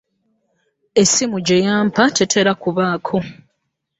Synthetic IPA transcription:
e̞simuɟe̞jaːmpate̞tʰe̞ɾakuβaːkʰo

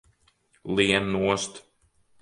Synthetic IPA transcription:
lˠiɛnːuɔst̪

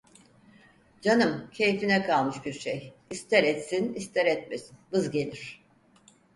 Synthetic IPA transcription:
d͡ʒanɯmcʰe̞jfinɛkʰalˠmɯʃbiɾʃejist̪ʰɛɾɛt̪sinist̪ʰɛɾɛt̪mesi̥nbɯzɟe̞lʲiɾ̝̥

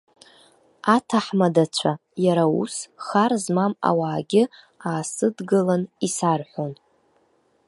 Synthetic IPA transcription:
atʰaħmadat͡ɕʷʰajaɾaṵsχarzmama̰waːɡʲɪ | aːsɨdɡɨlanisarħʷon

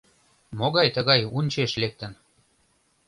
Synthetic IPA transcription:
moɣɑjt̪əɣɑjunʲt͡ɕeʃlek̚t̪ə̆n

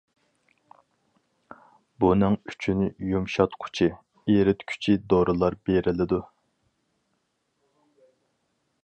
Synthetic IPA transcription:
bunæŋyt͡ʃʰynɪjumʃɑt̪qʰʊ̥t͡ʃʰi | eɾɪt̪kʲʰy̥t͡ʃʰid̪oɾɨlˠɑɾbeɾɪlɪd̪u

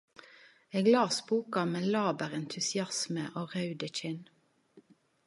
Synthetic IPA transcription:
eːɡlɑːsbuːkɑmeːlɑːbəʁɛnt̪ʰʉsɪɑsməʔoːʁɑʉd̪əc͡çɪn

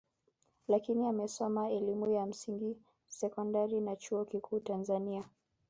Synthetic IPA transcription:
lakiniamɛsɔmaɛlimujam̩siŋɡi | sɛkɔndaɾinat͡ʃuɔkikʰuːtanzania

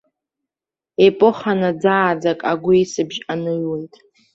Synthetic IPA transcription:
epʼʊχanad͡zaːd͡zakʼaɡʷʊisɨbʒanɨɥwojtʼ

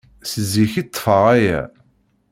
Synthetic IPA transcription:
səzːiçit̪ˤːfəʁæjæ̰

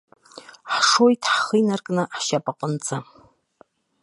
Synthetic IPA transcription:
ħʂojtʰħχɨjnarkʼnɨħʃapʼaqʼənt͡sʼa

